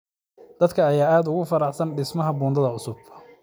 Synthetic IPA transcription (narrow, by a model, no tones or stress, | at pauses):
d̪̥ɐd̪kʰɐːjaːaːd̪ʊɣʊfɐɾɑħsɐnɖɪsmɐɦɐbuːnd̪ɐðɐʊsʊb̚